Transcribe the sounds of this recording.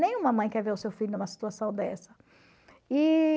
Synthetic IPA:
nẽj̃ũmɐmɐ̃j̃kɛɾveɾʊsewfilʊnũmɐsi̥t̪uasɐ̃w̃d̪ɛsɐ | i

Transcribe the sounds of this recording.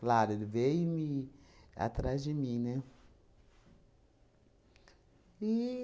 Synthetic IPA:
klaɾʊlvejmi | a̰t̪ɾazd͡ʒɪmĩnɛ | i

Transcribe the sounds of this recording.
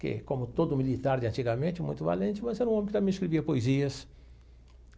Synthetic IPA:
kɪ̰kõmʊt̪od̪ʊmilit̪aɾd͡ʒɪɐ̃nt͡ʃiɡɐmẽnt͡ʃɪmṵ̃j̃t̪ʊva̰lẽnt͡ʃɪmɐzɛɾɐũõmẽkɪamẽiskɾeviɐpoeziɐs

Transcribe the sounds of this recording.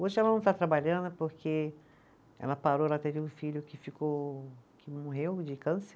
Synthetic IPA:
oʒɪɛlɐnɐ̃w̃t̪at̪ɾabaʎɐ̃nd̪ʊpoɾkʰe | ɛ̰lɐpaɾoɾat̪ed͡ʒeũfiʎʊkɪfikokʰɪmoɦewd͡ʒɪkɐ̃se

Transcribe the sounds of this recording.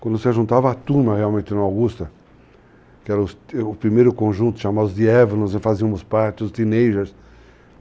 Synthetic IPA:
kwɐ̃nd̪ʊsɪaʒũnt̪avɐat̪uɾmɐhealwmẽnt̪ɪnawɡust̪ɐ | kɪɛɾɐʊsʊpɾimejɾʊkõʒũnt̪ʊ̥ʃamad̪ʊzd̪ɪɛvɐnõzɪfaziɐ̃mʊspaɾt͡ʃ̪ɪʊst̪inejʒeɾs

